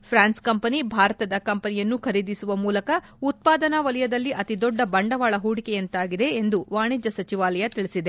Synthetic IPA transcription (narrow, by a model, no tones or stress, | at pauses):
pʰɾaːnskɐmpɐnibʱaːɾɐt̪ɐd̪ɐkɐmpɐnijɐnːukʰɐɾid̪isuʋɐmuːlɐkɐ | ut̪̚paːd̪ɐnɐʋɐlɐjɐd̪ɐlːiʔɐt̪id̪ɔɖːɐbɐɳɖɐʋaːɭɐɦuːɽikejɐnt̪aːɡid̪e̞ːnd̪uʋaːɳid͡ʒɐsɐt͡ʃiʋaːlɐjɐt̪iɭisid̪e̞